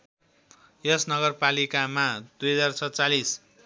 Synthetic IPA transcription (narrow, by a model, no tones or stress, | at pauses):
jʌsnʌɡʌrpalikamad̪ujɦʌd͡zarsʰʌt͡salis